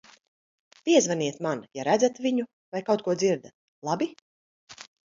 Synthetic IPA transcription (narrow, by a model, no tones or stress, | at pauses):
piɛzvaniɛt̪manjaɾæd̪zat̪viɲu | vajkawt̪̚kuɔd̪ziɾd̪at̪ | lˠabʲi